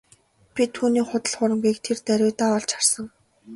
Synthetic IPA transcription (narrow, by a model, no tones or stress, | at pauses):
pʲit̪ʰːuːniːχʊt̪ə̆ɮχʊɾə̆mɡiːkt̪ʰert̪æɾʲʊːt̪aːɔɮt͡ɕχarsə̆ŋ